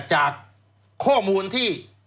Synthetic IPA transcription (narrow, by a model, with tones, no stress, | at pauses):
t͡ɕaː˨˩k̚ʰː | ɔː˥˩muː˧nt̪ʰiː˥˩